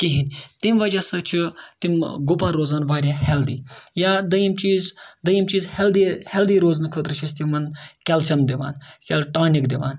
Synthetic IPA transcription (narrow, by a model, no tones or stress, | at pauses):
kiɦinʲt̪imʋɐd͡ʒasɨt͡ʃʰit̪imɡupãɾoːzanʋaːɾʲjãhɛld̪iːjaːd̪ɐjimt͡ʃiːzd̪ɐjimt͡ʃiːzhɛld̪ihɛld̪iɾoːznkʰət̪ɾɨʃʰɐst̪imɐnkʲɛlt͡ʃʰɐmd̪iʋa̰ːnkʲɛlʈaːnikd̪iʋa̰ːn